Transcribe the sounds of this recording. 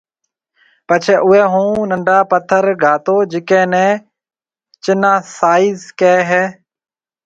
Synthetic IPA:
pət͡ʃʰeːʔʊɦɛːɦũːnəɳɖʱaːpət̪ʰəɾɡʱaːt̪oːd͡ʒɪkɛ̃ːnɛ̃ː | t͡ʃɪnãːsaːiːzkɛːɦɛː

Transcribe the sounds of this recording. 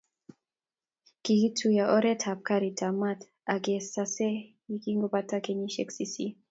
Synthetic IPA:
kiɣitʰujaʔɔɾɛthap̚kaɾitʰamat | aɡɛsasɛ | ikiŋɡupatakɛɲiʃɛksisi

